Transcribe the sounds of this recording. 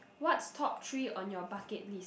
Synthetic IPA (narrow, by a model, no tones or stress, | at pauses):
wɔtstʰɔp̚tʰɹiɔ̃njɔbakɛt̚lis